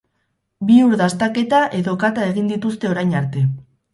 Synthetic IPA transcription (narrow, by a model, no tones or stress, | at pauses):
biuɾðast̪ake̞t̪aʔe̞ðo̞kat̪ae̞ɣ̞ind̪it̪ust̪e̞o̞ɾajɲaɾt̪e̞